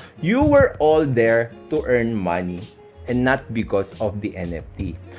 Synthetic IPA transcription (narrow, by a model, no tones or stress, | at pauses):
juwɛɹɔld̪ɛɹt̪uʔɛɹnmɐ̰ni | ʔɛ̃nnat̪̚bɪkɔsɔfd̪iʔɛnɛft̪i